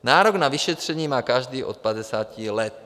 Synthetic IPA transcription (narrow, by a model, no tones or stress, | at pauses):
naːɾoɡnaviʃɛt̪r̝̥ɛɲiːmaːkaʒd̪iːʔot̪̚pad̪ɛsaːcilɛt̪̚